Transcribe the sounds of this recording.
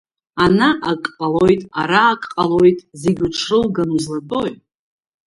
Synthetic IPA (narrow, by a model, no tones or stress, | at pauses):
anaʔakʼqʼalojtʼaɾaːkʼqʼalojtʼzeɡʲuʈ͡ʂʰrɨlɡanzladʼoj